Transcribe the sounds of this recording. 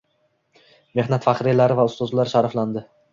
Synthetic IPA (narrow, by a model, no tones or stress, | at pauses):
me̞hnat̪faqɾilaɾɪvaʊst̪ɒzlaɾʃaɾafland̪ɪ